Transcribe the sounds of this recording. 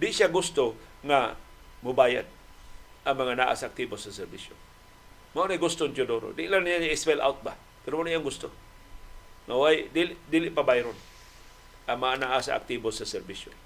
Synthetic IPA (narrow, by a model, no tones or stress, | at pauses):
d̪ɪʔʃaɡʊst̪oŋa | mʊbaːja̰d̪̚ | ʔaŋmɐŋana̰ʔa̰saak̚t̪ibosasɛɾbiso̰ | maonajɡʊst̪ʊnt͡ʃʊdoɾo̰dɪʔlaŋnijaaɪspɛla̰wt̪̚ba | pɪɾomanijaŋɡʊst̪o | ŋawajʔd̪ilɪʔd̪iːlɪʔpabajɾʊn | ʔaŋmaŋanaʔasa̰ʔa̰k̚t̪ibosasɛɾbiso